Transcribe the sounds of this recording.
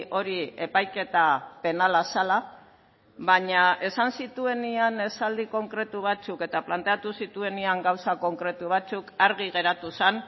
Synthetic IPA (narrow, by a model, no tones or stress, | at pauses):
ʔo̞ɾie̞pajke̞t̪ape̞nalasala | βaɲae̞sansit̪ue̞niane̞sald̪iko̞ŋkɾe̞t̪uβ̞at͡suke̞t̪aplant̪e̞at̪usit̪ue̞niaŋɡawsako̞ŋkɾe̞t̪uβ̞at͡sukaɾɣ̞iɣe̞ɾat̪usan